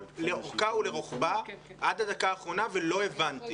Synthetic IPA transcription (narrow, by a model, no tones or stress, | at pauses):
le̞oχkaule̞ʁoχbaʔadad̪akaːχʁo̞navelo̞e̞vant̪i